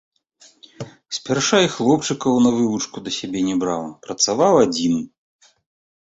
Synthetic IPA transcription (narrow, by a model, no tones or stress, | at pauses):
sʲpʲarʂajxlˠɔpt͡ʂɨkɐwnɐvɨvut͡ʂkud̪ɐsʲabʲɛnʲɛbɾawpɾɐt̪savawad͡zʲin